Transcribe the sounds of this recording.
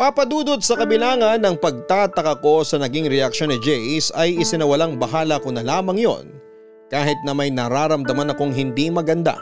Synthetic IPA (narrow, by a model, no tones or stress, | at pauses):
paːpɐd̪uːd̪ot̪̚sɐkɐbɪlaːŋɐnːɐŋpɐɡ̚t̪aːt̪ɐkɐko̞sɐnɐɡiŋɾɛʔɐk̚ʃo̞nːɪd͡ʒɛjsɐjɪsɪnɐwɐlaŋbɐɦaːlɐkonɐlaːmɐŋjo̰n | kaːɦɪt̪̚nɐmɐjnɐɾaːɾɐmd̪ɐmanɐkoŋɦɪnd̪imɐɡɐnd̪a̰